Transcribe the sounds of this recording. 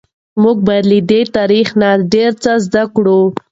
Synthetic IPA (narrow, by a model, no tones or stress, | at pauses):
muɡ̚baɾlid̪et̪aɾixnaɖeɾt͡səzd̪akɽu